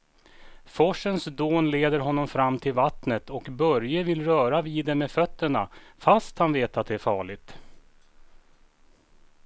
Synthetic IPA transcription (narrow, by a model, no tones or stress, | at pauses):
fɔʂːənsd̪oːnleːd̪əɾɦɔnːɔmfɾamːt̪ʰɪlvat̪nət̪ʰɔkbœɾjəvɪlɾœːɾaviːd̪ɛmɛːfœt̪ːəɳa̰fast̪hanveːt̪at̪̚d̪ɛæɾfɑːɭɪɡt̪